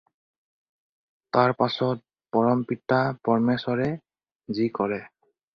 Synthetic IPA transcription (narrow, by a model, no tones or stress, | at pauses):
taɹpasɔt̚ | pɔɹɔmpitapɔɹmesɔɹɛ | zikɔɹɛ